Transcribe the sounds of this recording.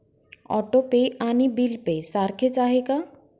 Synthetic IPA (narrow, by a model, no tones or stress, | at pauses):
ɔ̰ʈopeanibilpesaɾkʰet͡ʃaɦeka